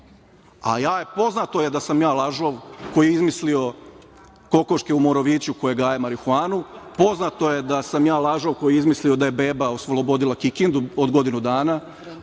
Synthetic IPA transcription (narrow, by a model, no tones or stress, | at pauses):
a̰jaːjepo̞znat̪o̞jed̪asamjaːlˠaʒoʋko̞jijeizmislio̞ | ko̞ko̞ʃkeumo̞ɾoʋiːt͡ɕuko̞jeɡaːjemaɾixaːnupo̞znat̪o̞je̞d̪asamjaːlˠaʒo̞ʋko̞jiizmislio̞d̪aje̞beːbaosʋolˠobo̞d̪ilˠakikind̪uod̪ɡo̞d̪inud̪aːna